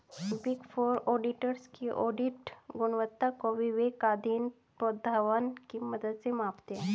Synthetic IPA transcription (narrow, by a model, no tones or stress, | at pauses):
biɡfoɾɔɖiʈəɾskiʔɔɖiʈɡunʋət̪ːakoʋiʋekad̪iːn | pod̪ʱaʋənkiməd̪əd̪semapt̪e